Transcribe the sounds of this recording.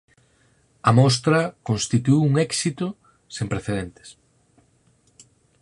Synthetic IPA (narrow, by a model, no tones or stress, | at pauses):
ɐmɔst̪ɾɐkõnst̪it̪uuŋɛksit̪ʊ | sẽmpɾeθeðent̪e̥s